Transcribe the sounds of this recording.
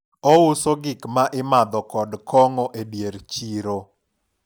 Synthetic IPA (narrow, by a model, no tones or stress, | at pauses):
ɔʊsoɡɪkmaʔɪmad̪ɔkɔdkɔŋɔʔedjeɾt͡ʃiɾo